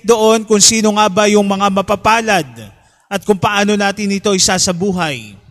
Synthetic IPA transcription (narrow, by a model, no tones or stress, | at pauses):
d̪o̞ʔo̞nkʊŋsiːno̞ŋaːbɐjʊŋmɐŋamɐpapaːlɐd̪̚ | ʔɐt̪̚kʊŋpɐʔaːno̞naːt̪ɪnɪt̪o̞ʔɪsasɐbuːɦɐj